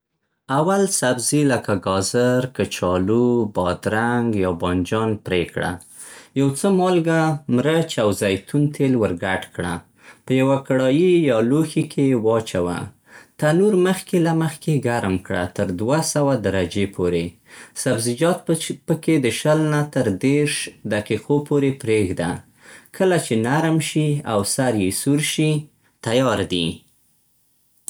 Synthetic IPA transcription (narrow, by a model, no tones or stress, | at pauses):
awalsabziləkaɡɑzəɾkət͡ʃɑlubɑd̪ɾaŋɡjɑbɑnd͡ʒɑnpɾekɽa̰ | jawt͡səmɑlɡamɾət͡ʃawzajt̪unt̪ʰelwəɾɡaʈkɽa̰ | pəjawakaɽɑjijɑloxikʰewɑt͡ʃawa̰ | t̪anuɾməxkelaməxkeɡaɾmkɽa̰t̪əɾd̪wasawad̪aɾad͡ʒepʰoɾe | sabzɪd͡ʒɑt̪̚pəked̪əʃəlnat̪əɾd̪eɾʃd̪aqixopoɾepɾeɡd̪a̰ | kʰəlat͡ʃenaɾmʃiawsaɾjesuɾʃi | t̪ajɑɾd̪ḭ